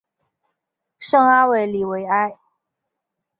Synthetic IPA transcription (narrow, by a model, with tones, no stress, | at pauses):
ʂɤ˥ŋa˥we˥˨˩ɪli˨˩we˧˥ɪa˥˧ɪ